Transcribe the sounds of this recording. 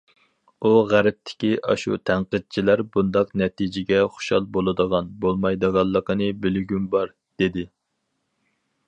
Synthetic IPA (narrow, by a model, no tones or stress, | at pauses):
uʁæɾɪp̚t̪ʰɪ̥kʲiʔɑ̰ʃṵt̪ʰæɴqəd̪̚t͡ʃʰilæɾbund̪ɑqnɛt̪ʰid͡ʒɪɡʲɛχʊ̥ʃɑ̰lˠbolˠɨd̪əʁɑnbolˠmɑjd̪əʁɑlˠːəqənɨbɪlɡʲymbɑɾ | d̪̥ed̪ɪ